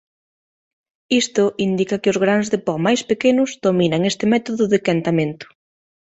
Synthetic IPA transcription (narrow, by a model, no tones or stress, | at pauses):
ist̪ʊʔind̪ikɐkɪʊzɣɾanzðɪpɔmajspekenʊzðominaŋest̪ɪmɛt̪oðʊðɪkant̪amẽnt̪ʊ̥